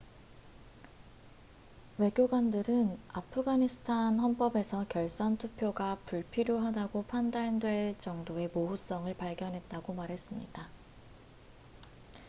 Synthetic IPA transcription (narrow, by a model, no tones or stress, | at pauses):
we̞ɡjoɡwandɯɾɯnapʰɯɡaɲisʰɯ̥tʰanhʌnp͈ʌbe̞sʰʌkjʌɭs͈ʌntʰupʰjoɡapuɭpʰiɾjoɦadaɡopʰandandwe̞ɭt͡ɕʌŋdoe̞moɦus͈ʌŋɯɭpaɭɡjʌnɦe̞t̚t͈aɡomaɾɦe̞s͈ɯmɲḭda